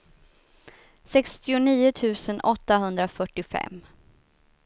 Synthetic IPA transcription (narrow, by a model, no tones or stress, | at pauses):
sɛkst̪ɪʊniːʊt̪ʰʉ̟ːsənɔt̪ːaɦɵnd̪ɾafœʈːɪfɛ̰mː